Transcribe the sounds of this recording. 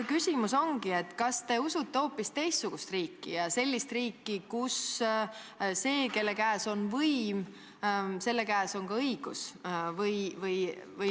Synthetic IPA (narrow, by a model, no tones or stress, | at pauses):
kysʲimuso̞ŋɡ̥ie̞t̪ːˑkɑst̪e̞usut̪ˑːe̞o̞ːpːist̪e̞jst̪suɡ̥ust̪riːkːḭjɑse̞lʲːist̪riːkːikus | se̞ːke̞lːe̞kæːso̞nvɤim | se̞lːe̞kæːso̞ŋkɑɤiɡ̥usvɤjvɤjvɤj